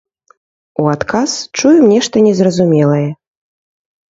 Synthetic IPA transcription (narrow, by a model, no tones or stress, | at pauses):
uat̪kʰast͡ʂujumnʲɛʂt̪ɐnʲɛzrɐzumʲɛlˠɐjɛ